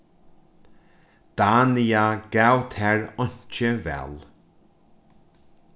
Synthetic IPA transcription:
d̪̥anijaɡawt̪ʰɛɹʊɲt͡ʃəvɛ̰l

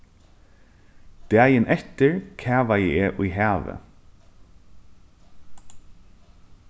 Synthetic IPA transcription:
d̪̥æːjənʔɛt̪əɹkʰæːʋajɛeːʔʊjɦæːʋə̰

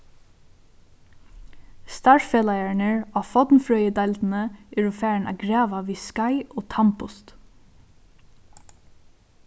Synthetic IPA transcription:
st̪ɑɹfeːlæɪæɳəɹɑːfɔd̪nfɹœʏəd̪ɑld̪n̩əʔɪɹufæːɹnʔɑ̰ːɡɹɑːʋɑʋiːskɑɪʔoːt̪ʰɑmpʊst̪

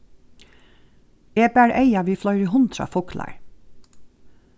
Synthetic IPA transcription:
eːbæːɹʔeɪɑʋiːflœʏɾiːhʊnt̪ʰɾɑ̰ːfʊklɑ̰ɹ

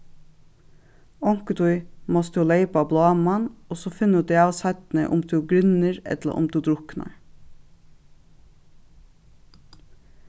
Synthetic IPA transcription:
ɔŋkət̪ʰɔʏmɔst̪uːleɪpɑblɑːmɑnɔsoːfɪnʉtd̪eɑːsɑt̪n̩ə̰ʔʊ̰mt̪ʰʉːɡɾʏnəɹɛ̰t̪ə̰ʔʊ̰md̪ʰʉːd̪ɾʊknɑ̰ɹ

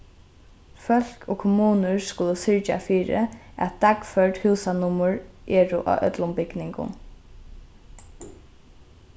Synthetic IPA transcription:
fœl̥kʰoːkʰʊmuːnəɹskʊləsʏɹt͡ʃa̰fiːɹɪ̰æ̰t̪̚d̪akfœɹʈhʉːsanʊmʊɹʔɛːɹʊʔa̰ʔœ̰t̪lʊmbɪɡnɪŋkʊ̰n

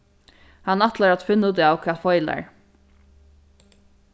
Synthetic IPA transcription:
hanːaht̪laɾat̪fɪnːʊd̪ɪawkʰɛːfɔjla̰ɹ

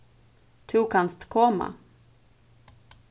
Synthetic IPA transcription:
t̪ʰʉkʰanst̪kʰɔmːa̰

